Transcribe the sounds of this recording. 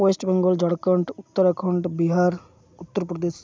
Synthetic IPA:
esʈbeŋɡɔld͡ʒɔɽkəɳʈut̪ːəɾakʰɔɳʈbiɦaɾ | ut̪ːəɾpɾɔd̪es

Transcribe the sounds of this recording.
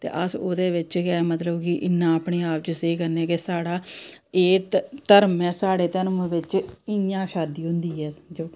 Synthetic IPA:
t̪ḛːʔəso̰ːd̪eːʋɪt͡ʃɡɛmət̪ləbkɪʔɪnːãːəpɳeːaːp̚t͡ʃəseikəɾnɛːkesaːɽaːeːt̪əɾmɛ̃ːsaːɽeːt̪əɾmʋɪt͡ʃɪjãːʃaːd̪iːɦʊ̃nd̪iːɦɛːd͡ʒoː

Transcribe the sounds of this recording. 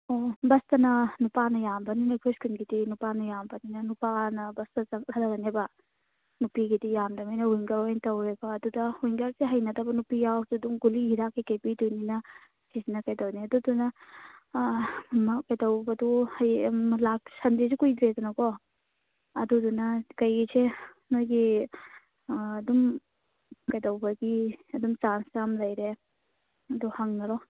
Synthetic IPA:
obɐstɐnɐnupanɐjambɐninɐkʰujskinɡidinupanɐjambɐninɐnupanɐbɐstɐɐŋɐdaɾɐnebɐ | nupiɡidijamdɐmajnɐiŋɡɐɾajntɐwɾebɐːdudɐhijŋɡɐɾseɦɐjnɐdɐbɐnupijawsuduŋɡulihiɾakːikejpidujninɐ | kisnɐkɐjtɐwniɐdudunɐ | mɐkɐjtɐwbɐduhɐjlaksʰɐndis̬ikujd̪ɾetɔnɐkɔ | ɐdudunɐkɐjɡise | nojɡi | dum | kɐjtɐwbɐɡiɐdumsansamlɐjɾe | ɐduhɐŋnɐɾɔ

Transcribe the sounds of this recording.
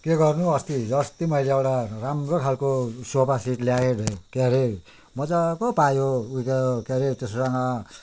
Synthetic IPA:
keɡʌrnuʌst̪id͡zʌst̪imʌileewʈaramrokʰalkosopasiʈljajeɖʱekeɾe | mʌd͡zakopajouikajokeɾet̪essaŋʌ

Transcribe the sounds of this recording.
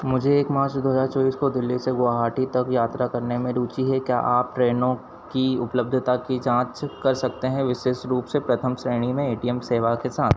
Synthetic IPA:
mʊd͡ʒʱeːkmaːt͡ʃd̪ʊːɦəd͡ʒat͡ʃoːiːskod̪ɪlːiseɡaːɦaːʈit̪ɐkjaːt̪ɾakɐɾnemẽɾuːt͡ʃiɦɛkja̰ːʔaːp̚ʈɾeːnõ | kiʊpləb̚d̪ʱt̪akid͡ʒãːt͡ʃkɐɾsɐk̚t̪eɦɛ̃ʋɪʃeːʃɾuːpsepɾɐt̪ʰəmsɾeːɽ̃imẽeːʈiɛmseːʋakesaːt̪ʰ

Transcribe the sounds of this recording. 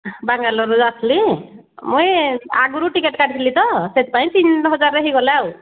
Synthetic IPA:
baŋɡalɔɾuat̪ʰli | muja̰ɡuɾuʈikeʈkaɽit̪ʰilit̪ɔset̪̚paĩt̪inɦɔd͡ʒaɾːeɦiɡɔlaw

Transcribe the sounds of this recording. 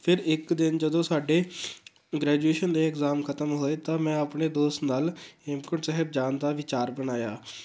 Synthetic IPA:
pʰɪɾɪkd̪ɪnd͡ʒəd̪õːsaːɖeː | ɡɾɛːd͡ʒueːʃənd̪eːɪkzaːmkʰət̪əmɦoːeːt̪ãːmɛ̃ːəpɳeːd̪oːst̪naːlɪmkəɳʈsɛːɦəb̚d͡ʒaːnd̪aːʋɪt͡ʃaːɾbənaːjaː

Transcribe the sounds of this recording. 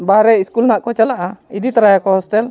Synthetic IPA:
baɾɛiskulnaʔkɔt͡ʃalaʔaid̪it̪aɾajakɔhɔsʈɛl

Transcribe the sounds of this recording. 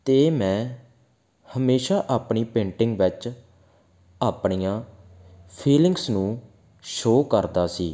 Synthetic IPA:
t̪eːmɛ̃ː | həmeːʃaːʔaːpɳiːpẽːɳʈɪŋɡʋɪt͡ʃ | aːpɳijãː | pʰiːlɪ̃ŋɡsnũː | ʃoːkəɾd̪aːsiː

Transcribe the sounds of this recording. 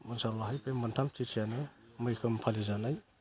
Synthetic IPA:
munsalwaɦajpʰemantʰamtʰitʰijanɯmɯjkʰɯmpʰalizanaj

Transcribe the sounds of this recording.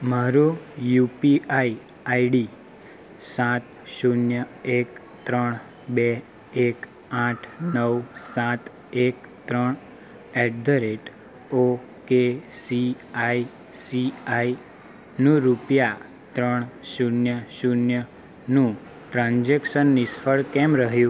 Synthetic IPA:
maɾũjupiai | aiɽi | sãt̪ | ʃunjəek | t̪ɾəɳ̃ | be | ek | ãʈʰnəwsãt̪ | ekt̪ɾəɳ | ɛɖ̚d̪əɾeʈ | o | kesi | ai | siai | nũɾupja | t̪ɾəɳʃunjəʃunjə | nũ | ʈɾãnd͡ʒekʃənːisfəɭkɛmɾəɦjũ

